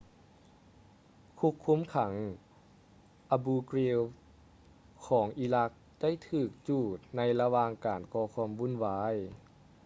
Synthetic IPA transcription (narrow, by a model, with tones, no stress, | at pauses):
kʰu˧˥kʰːu˧˥˨mkʰa˩˦ŋ | ʔa˧buː˧kɾi˧w | kʰɔː˩˦ŋʔiː˧la˧˥k̚da˥˩˨jt̪ʰɯː˧˩k̚t͡ɕuː˧˩t̪̚na˧jla˧waː˧ŋkaː˨˩nkɔː˧kʰɔː˧˥mʋu˧˥˨nwaː˧˥j